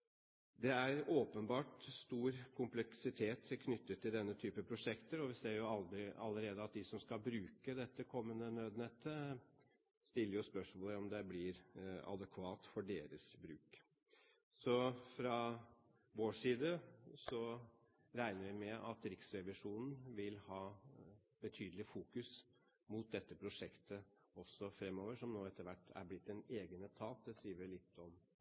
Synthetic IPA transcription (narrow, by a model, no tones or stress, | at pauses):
d̪ɛæɾoːpənbɑːʈst̪uːɾkʰʊmplɛksɪt̪ʰeːt̪ʰːkʰnʏt̪ːət̪ʰːɪld̪ɛnːət̪ʰyːpəpʰɾʊʂɛkt̪əɾɔʋɪseːɾjʊɑld̪ɾɪɑ̰lːəɾeːd̪əɑt̪̚d̪ɪsɔmskɑlbɾʉːkəd̪ɛt̪ːəkʰɔmːənənøːd̪nɛt̪ʰːə | st̪ɪlːəɾjʊspœʂmoːləɾɔmd̪ɛblɪɾɑ̰d̪ɛkʰʋɑːt̪fɔɖeːɾəsbɾʉːk | sɔfɾɑ | ʋoːʂiːd̪əsɔ | ɾæɪnəɾʋɪmɛʔɑt̪ɾɪksɾɛʋɪʂuːnn̩ʋɪlhɑː | b̥ət̪ʰyːd̪l̩ɪfuːkʉs | mut̪̚d̪ɛt̪ːəpʰɾʊʂɛkt̪ʰə | ɔsːɔfɾɛmːoːʋəʂɔmnoːɛt̪ːəɾʋæʈːæ̰ɾblɪt̪ːɛneːɡənət̪ʰɑːt̪̚d̪ɛsiːʋəɭɪt̪ʰːɔm